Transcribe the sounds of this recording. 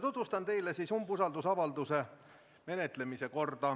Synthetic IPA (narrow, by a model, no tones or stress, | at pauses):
t̪ut̪vust̪ɑnt̪e̞jlesisumbusɑld̪usɑvɑld̪use̞ | me̞net̪ˑle̞mise̞ko̞rd̪̥ɑ